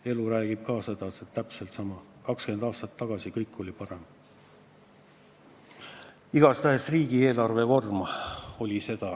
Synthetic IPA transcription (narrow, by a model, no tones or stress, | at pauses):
e̞luɾæːɡ̥ib̥kɑːsɤd̪̥ɑset̪ːæpse̞lt̪sɑmɑkɑkske̞nd̪̥ɑːst̪ɑt̪ːɑɡ̥ɑsikɤjkːˑo̞lʲipɑɾe̞m | iɡ̥ɑst̪æɦesriːɡ̥ie̞ːlɑrve̞vo̞rmo̞lʲise̞d̪̥ɑ